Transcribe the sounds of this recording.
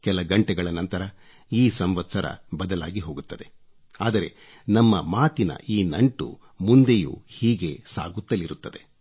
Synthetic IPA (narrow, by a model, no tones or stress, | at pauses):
kɛlɐɡɐɳʈɛɡɐɭɐnɐnt̪ɐɾɐ | iːsɐmʋɐt̪sɐɾɐ̰bɐd̪ɐlaːɡiɦo̞ːɡut̪ːɐd̪e̞ | aːd̪ɐɾe̞̰ | nɐmːɐmaːt̪inɐ̰ʔiːnɐɳʈṵ | mund̪e̞jṵhiːɡe̞sa̰ːɡut̪ːɐlːiɾut̪ːɐd̪e̞